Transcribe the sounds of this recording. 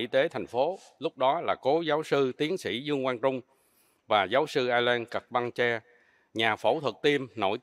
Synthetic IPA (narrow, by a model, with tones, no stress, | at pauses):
ḭ˧t̪e˨˦t̪ʰɛ˨˩jŋ̟fo˨˦ | lʊ˦˥k͡p̚ɗɔ˨˦laː˨˩ko˨˦zaː˨˦wsɨ˧t̪i˨˦əŋsḭ˧˩zɨ˧əŋkwaː˧nt͡ɕʊ˧ŋ͡m | vaː˨˩zaː˨˦wsɨ˧ʔaː˧lɛː˧nkə˨˩k̚ɓa˧ŋt͡ɕɛ˧ | ɲaː˨˩fo̰˧˩t̪ʰwə˨˩k̚t̪i˧əmno̰˧˩j